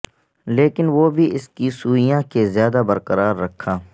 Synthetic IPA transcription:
leːkɪnʋoːbʱiɪskisuːijãkezjaːd̪abɐɾqəɾaːɾːɐkʰːaː

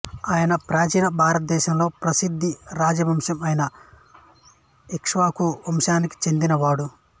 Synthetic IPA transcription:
aːjɐnɐpɾaːd͡ʒiːnɐbʱaːɾɐt̪̚d̪ɛːʃɐmlo̞ːpɾɐsid̪ʱːiɾaːd͡ʒɐbʱɐmʂɐmɐjɐnɐ | ikʂʋaːkuʋɐmʃaːniki̥t͡ʃe̞nd̪inɐʋaːɽu

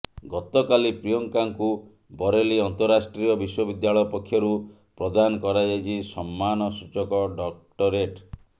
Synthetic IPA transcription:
ɡɔt̪ɔkalipɾijɔŋkaŋku | bɔɾeliɔnt̪ɔɾːasʈɾiɔbiswɔbid̪jaɭɔjɔpɔkʰːjɔɾu | pɾɔd̪anɔkɔɾad͡ʒajt͡ʃʰisɔmːanɔsut͡ʃɔkɔɖɔkʈɔɾeʈ

